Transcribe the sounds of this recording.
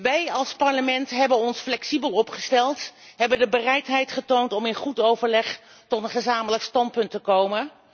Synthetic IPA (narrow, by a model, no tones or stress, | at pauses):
ʋɛjɑlˠspɑɹləmɛntɦɛbənɔnsflɛksibəlˠɔpχəstɛlˠtɦɛbəndəbərɛjtɦɛjtχətowntɔmɪnχutowvəɹlɛχ | tɔtənχəzaːmələkstɑnt̚pɵntəkowmən